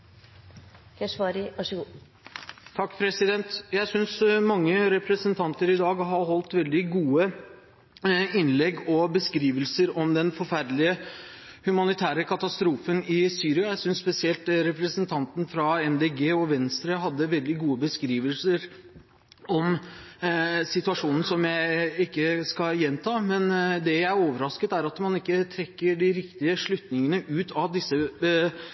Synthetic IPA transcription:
kʰɛʂʋɑːɾɪʋɑʂəɡuː | t̪ʰɑkːpʰɾɛsɪd̪ɛnt̪jæɪsʏnsmɑŋːəɾɛpɾɛsənt̪ʰɑnt̪əɾɪd̪ɑːɡɦɑɾɦɔlt̪ʋɛld̪ɪɡuːə | ɪnlɛɡɔbəskɾiːʋəlsəɾɔmd̪ɛnfɔɾfæɾd̪lɪə | hʉmɑnɪt̪ʰæːɾəkʰɑt̪ɑst̪ɾuːfənɪsyːɾɪɑjæɪsʏnsːpɛsɪɛlt̪ɾɛpɾəsənt̪ʰɑnt̪n̩fɾɑɛnd̪ɛɡeːɔʋɛnst̪ɾəɦɑd̪ːəʋɛld̪ɪɡuːəbəskɾiːʋəlsəɾ | ɔm | sɪt̪ʉɑʂuːnn̩sɔmjæɪɪkːəskɑjɛnːt̪ʰɑːmɛnd̪ɛjæɪæɾoːʋəɾɑskət̪æɾɑt̪mɑnɪkːət̪ʰɾɛkːəɖɪɾɪkt̪ɪəʂɭʉt̪nɪŋənəʔʉːt̪ʰɑʋd̪ɪsːə

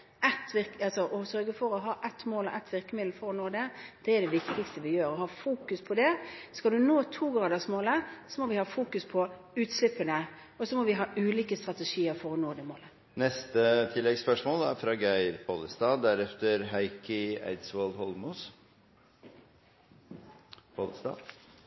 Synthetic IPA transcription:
ɛt̪ːʋɪɾkɑlsɔʔɔsœɾɡəfɔɾɔɦɑːʔɛt̪moːlɔ̰ʔɛt̪ːʋɪɾkəmɪd̪l̩fɔɾɔnoːd̪ɛd̪̥ɛɛɖ̪ɛʋɪkt̪ɪkst̪əʋɪjøːɾɔɦɑːfuːkʉspʰɔd̪ɛskɑld̪ʉnoːt̪ʰuːɡɾɑːd̪əsmoːləsɔmɔʋɪhɑːfuːkʉspʰɔ | ʉːt̪slɪpːənə | ɔsɔmɔʋɪɦɑːʉːliːkəst̪ɾɑt̪ɛʂiːəɾfɔɾɔnoːd̪ɛmoːlə | nɛst̪ət̪ʰɪlːɛɡspœʂmoːlæɾfɾɑːɡæɪɾpʰo̰ləst̪ɑːd̪æɾɛft̪əɾɦæɪkʰəæ̰ɪd̪sʋolhɔlmus | pʰoləst̪ɑ̰ː

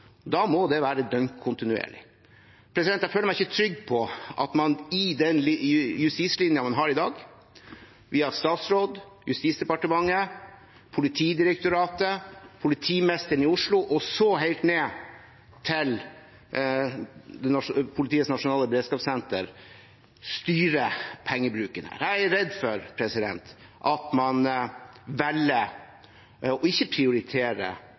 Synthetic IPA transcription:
d̪ɑːmɔd̪ɛʋæːɾəd̪œŋkkʰʊnt̪ɪnʉḛːɭɪ̰ | pʰɾɛsɪd̪ɛnt̪jæføːləmæɪɪçət̪ʰɾʏɡːpʰɔʔɑ̰t̪mɑnɪd̪ɛnljʉst̪iːslɪnjənmɑnɦɑːɾɪd̪ɑːɡ | ʋɪɑst̪ɑːt̪sɾoːd̪ | jʉst̪iːt̪sd̪ɛpɑʈəmɑŋːə | pʰʊlɪt̪ʰiːd̪ɪɾɛk̚t̪ʊɾɑːt̪əpʰʊlɪt̪ʰiːmɛst̪əɾɳ̩ɪʊʂɭʊʔɔsɔɦeɪlt̪neː | t̪ʰɪl | d̪ɛnɑʂpʰʊlɪt̪ʰiːətsnɑʂʊnɑːləbɾeːd̪skɑːpsɛnt̪əɾ | st̪yːɾəpʰɛŋːəbɾʉːkənə̰ɾæɪæɾɛd̪fɔɾpʰɾɛsɪd̪ɛ̰nt̪ | ʔɑt̪mɑn | ʋɛlə | ɔɪçːəpʰɾɪʊɾɪt̪ʰeːɾə̰

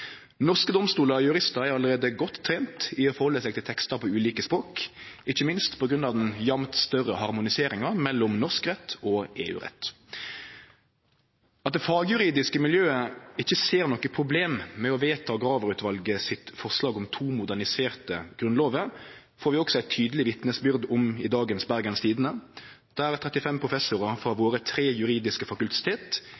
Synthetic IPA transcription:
nɔʁskəd̪ɔmst̪uːləɔjʉɾɪst̪ɑɾæɾɑlːəʁeːd̪əɡɔt̪ʰːɾeːnt̪ɪɔfɔɾhɔlːəsɛːɡt̪ʰɪlt̪ʰɛkst̪ɑɾpʰɔʉːliːkəspɾoːkɪçːəmɪnst̪pʰɔɡʁʉnɑʋd̪ɛnjɑmt̪st̪œrːəhɑʁmʊnɪseːɾɪŋɑmɛlːʊmnɔʁskʁɛt̪ʰːɔːeːʉ̰ːʁɛ̰t̪ː | ɑt̪̚d̪ɛfɑːɡjʉɾiːd̪ɪskəmɪljøːəɪçːəseːɾnɔkːəpʰɾʊbleːmmɛɔʋeːt̪ʰɑːɔɡɾɑːʋəʁʉːt̪ʰʋɑlɡəsɪt̪fɔʁslɑːɡɔmt̪ʰuːmʊd̪æʁnɪseːʁt̪əɡ̥ɾʉnloːʋə | foːɾʋɪɔksɔæɪt̪ʰyːd̪əlɪʋɪt̪nəsbʏʁd̪ʊmɪd̪ɑːɡənsbæʁɡənst̪ʰiːd̪ənə | d̪̥ææʁt̪ʰʁɛt̪ɪfɛmpʰʁʊfɛsʊɾəfɾɑʋoːɾət̪ʰɾeːjʉɾiːd̪ɪskəfɑkʉlt̪ɪ̥t̪ʰeːt̪

